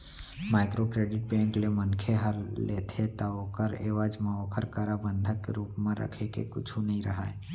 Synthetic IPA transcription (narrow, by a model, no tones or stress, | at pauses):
maːɪkɾokɾeːɖɪʈ̚pɛ̃ːŋklemənkʰeɦəɾlet̪ʰet̪aoːkəɾḛːʋəd͡ʒmẽokʰəɾkaɾabə̃nd̪ʱəkːeɾuːpmẽɾə̰kʰekḛkʊt͡ʃʰunəɦĩɾəɦae